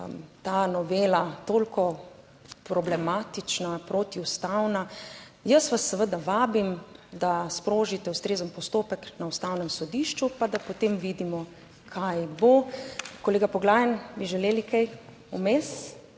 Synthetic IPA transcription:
mt̪aːnɔʋeːlat̪oːlkɔ | pɾɔblɛmaːt̪it͡ʃnapɾot̪iust̪awna | jəsʋasːɛʋəd̪aʋaːbimd̪aspɾoːʒit̪ɛust̪ɾeːzənpɔst̪oːpəknaust̪awnɛmsɔd̪iʃt͡ʃupad̪apot̪emʋiːd̪imɔ | kʰajbokɔleːɡapɔɡlaːjənbiʒɛleːlikɛj | umeːs

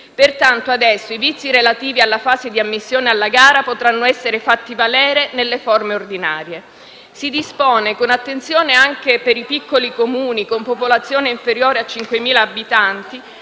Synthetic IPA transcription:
pert̪ant̪oad̪ɛsːoivit̪sːiɾelat̪iːvialːafaːzed̪iamːisːjoːnealːaɡaːɾapot̪ɾanːoɛsːeɾefat̪ːivalɛːɾenelːeformeord̪ina̰ːɾje | sid̪ispoːnekonat̪ːent̪sjoːneaŋk̟epeɾipikːolikomuːnikompopolat̪sːjoːneiɱfeɾjoːɾeat͡ʃːiŋkwemiːlaːbit̪ant̪i

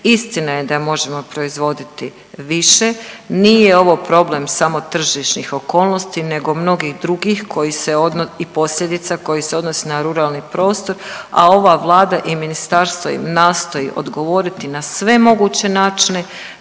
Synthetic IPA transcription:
ist̪inaje̞d̪amo̞ʒe̞mo̞pɾo̞izʋo̞d̪it̪i | ʋiʃe̞niːje̞o̞ʋo̞pɾo̞blemsamo̞t̪r̩ʒiʃnixo̞ko̞ːlˠno̞st̪ine̞ɡo̞mno̞ɡixd̪ɾuɡixkʰo̞jiseod̪ipo̞sʎʲed̪it̪sako̞jiseo̞d̪nosinaɾuɾaːlniːpɾo̞ːst̪o̞ɾa̰o̞ʋaʋlˠaːd̪aʔiminist̪aɾst̪ʋo̰jḭmnaːst̪o̞jḭʔo̞̰d̪ɡo̞ʋo̞ɾit̪inasʋe̞mo̞ɡuːt͡ɕe̞naːt͡ʃine̞

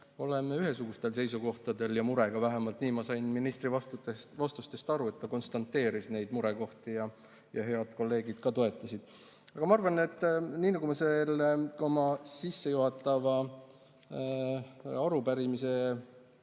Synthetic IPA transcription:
o̞le̞meyɦe̞suɡ̥ust̪e̞lse̞jsuko̞ht̪ɑd̪e̞ljɑmuɾe̞ɡ̥ɑvæɦemɑlt̪ˑniːmɑsɑjnminist̪rivɑst̪vɑst̪ust̪e̞st̪ɑɾue̞t̪ːɑko̞nst̪ɑnt̪ːˑe̞ːɾisne̞jd̪muɾe̞ko̞ht̪ijɑ | jɑɦe̞ɑd̪̥ko̞lːe̞ːɡid̪̥kɑt̪o̞e̞t̪ːˑɑsid̪̥ | ɑɡ̥ɑmɑɑrvɑne̞t̪ːˑniːnɑɡumɑselo̞mɑsisːe̞juɦɑt̪ːˑɑvɑ | ɑɾupæɾimise̞

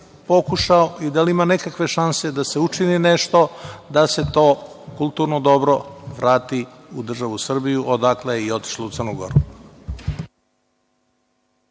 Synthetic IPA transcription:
po̞kuʃaoid̪alimanekakʋe̞ʃansed̪ase̞ut͡ʃinineʃt̪o̞d̪ase̞t̪o̞ːkulˠt̪uːɾnod̪o̞bɾo̞ʋɾaːt̪i | ud̪r̩ʒaʋusr̩bijuʔod̪akleio̞t̪i̥ʃlout̪sərnuɡo̞̰ɾu

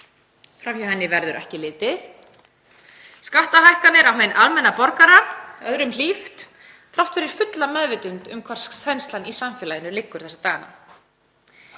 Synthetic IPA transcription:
fɾamjawhɦɛnːɪvɛɾðʏɾʔɛ̰hcɪlɪːt̪ɪð | skaht̪ahajhkanɪɾawɦejnʔalmɛnːapɔɾkaɾaœðɾʏml̥ift̪ | θʰɾawht̪fɪɾɪɾ̥fʏt̪lamɛðvɪt̪ʏnt̪ʏmkʰvaɾ̥sθʰɛjnst̪lanisamfjɛlajɪnʏlɪkːʏɾ̥θɛsat̪aːɣana̰

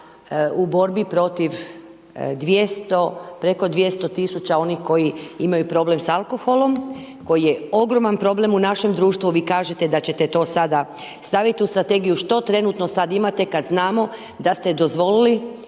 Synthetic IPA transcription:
ubo̞ɾbipɾo̞t̪iʋ | d̪ʋjest̪o̞pɾe̞ko̞d̪ʋje̞st̪o̞t̪isut͡ʃao̞nixko̞jiimajupɾo̞ble̞msalˠko̞xo̞lo̞m | ko̞jije̞o̞ɡɾo̞manpɾo̞ble̞munaʃe̞md̪ɾuːʃt̪ʋuʋiːkaːʒe̞t̪ed̪at͡ɕe̞t̪et̪o̞ːsad̪a | st̪aʋit̪iust̪ɾat̪e̞ɡijuʃt̪o̞t̪ɾe̞nut̪no̞sad̪imat̪e̞kad̪znaːmo̞ | d̪ast̪e̞d̪o̞zʋo̞lili

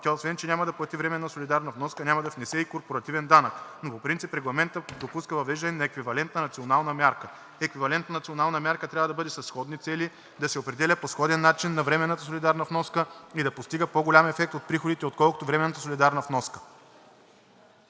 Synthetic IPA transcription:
t̪ʲaosvɛnt͡ʃɛnʲamɐd̪ɐplˠɐt̪ivɾɛmɛnːəsolʲid̪aɾnɐvnɔskənʲamɐd̪ɐfnɛsɛikoɾpoɾɐt̪ivɛnd̪anəknopopɾint̪sipɾɛɡlˠɐmɛnt̪əd̪opuskəvɐvɛʒd̪ɐnɛnɐɛkvivɐlɛnt̪nɐnɐt̪sionalˠnɐmʲjaɾkə | ɛkvivɐlɛnt̪nənɐt̪sionalˠnəmʲaɾkət̪ɾʲavɐəd̪ɐbɤd̪ɛsɐsːxɔd̪nit̪sɛli | d̪ɐsɛopɾɛd̪ɛlʲəposxɔd̪ɛnːat͡ʃinːɐvɾɛmɛnːət̪əsolʲid̪aɾnɐvnɔskəid̪ɐpost̪iɡəpoɡolʲamɛfɛk̚t̪ot̪̚pɾixod̪it̪ɛot̪̚kɔlˠko̥t̪ovɾɛmɛnːɐt̪əsolʲid̪aɾnəvnɔskə̥

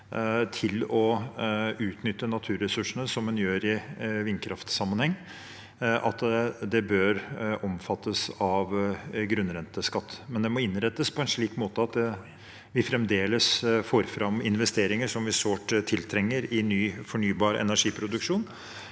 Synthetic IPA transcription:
t̪ʰɪlɔ | ʉːt̪nʏt̪ːənɑt̪ʰʉːɾɛsʉʂəɳəsɔmːɛnjøːɾɪʋɪnkʰɾɑft̪sɑmːənhɛŋː | ʔɑ̰t̪d̪ɛbøːɾɔmfɑt̪ːəsɑʋɡɾʉnɾɛnt̪əskɑt̪ːmɛnd̪ɛmɔɪnɾɛt̪ːəspʰɔɛnʂɭiːkmoːt̪əɑt̪ | ʋɪfɾɛmd̪eːləsfoːɾfɾɑmɪnʋɛst̪eːɾɪŋəʂɔmʋɪsoːʈt̪ʰːɪlt̪ʰɾɛŋːəɾɪnyːfɔɳyːbɑːɾɛ̰næʂiːpʰɾʊd̪ʉkʂuːn

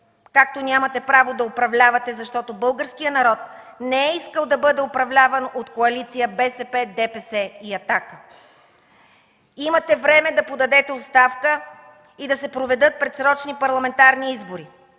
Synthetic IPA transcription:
kak̚t̪onʲamɐt̪ɛpɾavod̪ɐopɾɐvlʲavɐt̪ɛzɐʃt̪ɔt̪obɤlˠɡəɾskijənɐɾɔt̪̚nɛɛiskəlˠd̪ɐbɤd̪ɛopɾɐvlʲavɐnot̪koɐlit̪sijəbɛsɛpɛd̪ɛpɛsɛiɐt̪akə | imɐt̪ɛvɾɛmɛd̪ɐpod̪ɐd̪ɛt̪ɛot̪st̪afkə | id̪ɐsɛpɾovɛd̪ɤt̪̚pɾɛt̪sɾɔt͡ʃnipɐɾlˠɐmɛnt̪aɾniizboɾi

